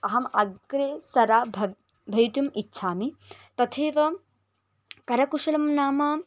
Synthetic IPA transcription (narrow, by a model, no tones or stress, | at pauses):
ɐɦɐmɐɡɾeːsɐɾaːbʱɐ | bʱɐjut̪jumitːʃʰaːmit̪ɐt̪ʰeːʋɐ | kɐɾɐkuʂɐlɐmnaːmaː